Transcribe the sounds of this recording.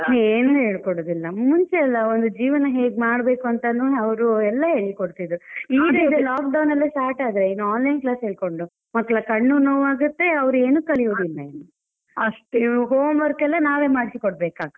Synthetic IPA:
eːnuɦe̞ːɭkoɽoːd̪ilːɐmuɲt͡ʃeːlːɐond̪ud͡ʒiːʋɐnɐɦeːɡmaːɽbe̞ːkuɐnt̪ɐnuːɐʋɾuɛlːɐɦeːɭikoɽt̪id̪ɾuiːɾeid̪elaːk̚ɖɐwnɐlːisʈaːʈaːd̪ɾeinːuaːnlɐjnklaːsɦeːɭko̞ɳɖu | mɐkːɐɭɐkɐɳːunoʋaːɡut̪ːe̞ɐʋɐɾue̞ːnukɐɭijod̪ilːɐenːu | ɐʂʈɦoːmʋɐɾkɛlːɐnaːʋe̞ːmaːɽisikɔɽbeːkaːɡɐ

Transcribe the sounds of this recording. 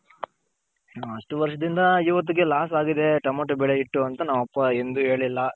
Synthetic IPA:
ɐʂʈuʋɐɾʂɐd̪ind̪ɐiːʋɐt̪̬ːiɡelaːsaːɡid̪e̞ʈɐmɐʈːubɛɭeiʈːuɐnt̪ɐnɐmːɐpːɐe̞nd̪uɦe̞ːɭilːɐ

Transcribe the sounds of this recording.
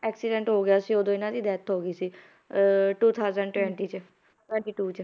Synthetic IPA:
ɛːksɪɖɛ̃ːɳʈɦoːɡɪjaːsiːoːd̪õːɪnãːd͡ʒ̪iːd̪ɛːt̪ʰɦoːɡiːsiː | ʈuːt̪ʰaːʊzəɳɖʈwɛ̃ːɳʈiːt͡ʃ | ʈɛ̃ːɳʈiːʈuːt͡ʃ

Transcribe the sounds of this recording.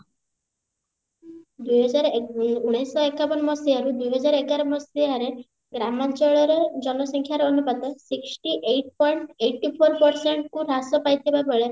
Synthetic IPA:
d̪ujɦɔd͡ʒaɾuɽ̃ajsɔekapɔnmɔsiaɾud̪ujɦɔd͡ʒaɾekaɾɔmɔsiaɾe | ɡɾamant͡ʃɔɭɔɾɔd͡ʒɔnɔsɔŋkʰjaɾɔɔnupat̪ɔsiksʈiʔejʈ̚pɔjɳʈejʈːipʰɔɾpɔɾseɳʈkuɾasɔpajt̪ʰibabɔɭe

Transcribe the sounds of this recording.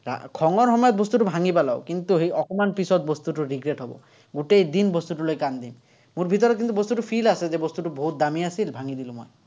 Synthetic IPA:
ɾa̰kʰɔŋɔɾɦɔmɔjɔt̪̚bɔst̪uʈubʱaŋipala̰o̰wkint̪uɦeɔkɔmanpisɔt̪̚bɔst̪uʈuɾiɡɾeʈɦɔbɔ̰ | ɡuʈejd̪inbɔst̪uʈulojkand̪im | muɾbʱit̪ɔɾɔt̪kint̪ubɔst̪uʈupʰilased͡ʒebɔst̪uʈuboɦut̪̚d̪amiasilbʱaŋid̪ilumɔj

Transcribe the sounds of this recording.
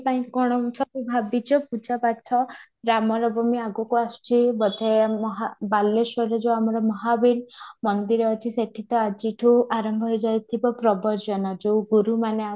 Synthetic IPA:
paĩkɔɽ̃ɔsɔbibʱabit͡ʃʰɔpud͡ʒapaʈʰɔ | ɾamɔɾɔbɔmiaɡɔkuasu̥t͡ʃʰibɔd̪ʱemɔɦabalːesɔɾed͡ʒewamɔɾɔmɔɦabiɾmɔnd̪iɾɔɔt͡ʃʰiseʈʰit̪ɔad͡ʒiʈʰuʔaɾɔmbʱɔɦɔjd͡ʒajt̪ʰibɔpɾɔbɔɾd͡ʒɔnɔd͡ʒewɡuɾumanea

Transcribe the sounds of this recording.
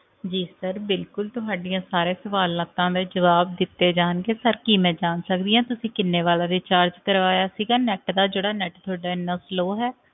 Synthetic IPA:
d͡ʒiːsəɾbɪlkʊlt̪ʊɦaːɖɪjãːsaːɾeːsəʋaːlat̪ãːd̪eːd͡ʒəʋaːb̚d̪ɪt̪ːeːd͡ʒaːnɡeːsəɾkiːmɛ̃ːd͡ʒaːnsək̚d̪iːãːt̪ʊsĩːkɪnːeːʋaːlaːd̪eːt͡ʃaːɾd͡ʒkəɾʋaːjaːsiːɡaːnɛːʈd̪aːd͡ʒeːɽaːnɛːʈt̪ʰʊaːɖaːɪnːaːsloːɦɛː

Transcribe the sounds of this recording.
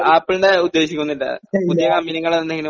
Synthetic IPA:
aːpːilɳɖeud̪ːe̞ːɕikʲːunːilːɐ̰ud̪ijɐkɐmbinɐŋːɐɭenːeŋɡilɨ

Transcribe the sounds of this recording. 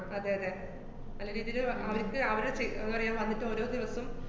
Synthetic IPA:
ɐd̪ːeːɦɐðe | ɐlːɐɾiːðijilɨɐʋɐɾikʲːɨɐʋɐɾɽet͡ɕejenːupɐrɐjaːnʋɐnːiʈːɨo̞ːɾo̞ːd̪iʋɐsum

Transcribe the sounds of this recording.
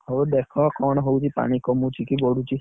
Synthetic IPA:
ɦɔd̪ekʰɔkɔɽ̃ɔɦowt͡ʃʰipa̰ɽ̃ikɔmũt͡ʃʰikibɔɽut͡ʃʰi

